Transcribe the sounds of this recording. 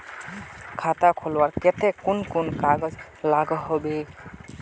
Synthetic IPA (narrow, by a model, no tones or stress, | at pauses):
kʰatakʰɔlwaɹkɛtɛkʊnkʊnkaɡɔz | laɡɔɦobe